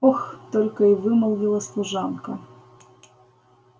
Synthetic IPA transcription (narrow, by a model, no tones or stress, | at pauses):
ɔxt̪ɔlʲkɐiʋɪmɐlˠɣʲilˠɐslˠʊʒɑnkɐ